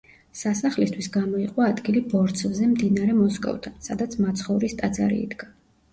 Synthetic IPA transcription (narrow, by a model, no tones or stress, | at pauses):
sasaχlist̪ʰwisɡamɔiqʼwaːd̪ɡilibɔɾt̪sʰvzɛmd̪inaɾɛmɔskʼɔ̰vt̪ʰansad̪at̪sʰmat̪sʰχɔvɾist̪ʼad̪za̰ɾḭḭd̪ɡa